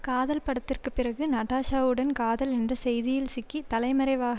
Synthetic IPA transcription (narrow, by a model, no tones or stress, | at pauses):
kaːðɐlpɐɽɐt̪ːɪrkɯpːɪrɐɣɯnɐʈːaːʂaːʋɯɽɐnkaːðɐlɛndrɐsɛjðɪjɪlsɪkːit̪ɐlɐɪmɐɾɐɪʋaːɣɐ